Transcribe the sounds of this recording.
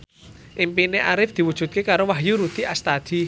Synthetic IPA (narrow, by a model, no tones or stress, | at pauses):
ʔɪmpineʔaɾɪfd̪̥i̤wud̥ʒ̥ṳt̪̚kekaɾowaɦjuɾud̪̥iʔast̪ad̪̥i